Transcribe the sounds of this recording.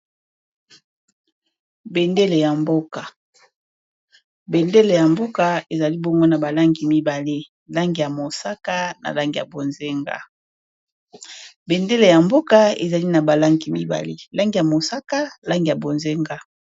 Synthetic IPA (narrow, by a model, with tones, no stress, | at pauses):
be˨nde˦le˨ja˨mbo˦ka˨ | be˨nde˦le˨ja˨mbo˦ka˨e˨za˨li˦bo˦ŋɡo˦na˨ba˨la˦ŋɡi˨mi˦ba˨le˦ | la˦ŋɡi˨ja˨mo˨sa˦ka˦na̰˨la˦ŋɡi˨ja˨bo˨nze˦ŋɡa̰˦ | be˨nde˦le˨ja˨mbo˦ka˦ḛ˨za˨li˦na˨ba˨la˦ŋɡi˨mi˦ba̰˨lḛ˦la˦ŋɡi˨ja˨mo˨sa˦ka˦la˦ŋɡi˨ja˨bo˨nze˦ŋɡa˦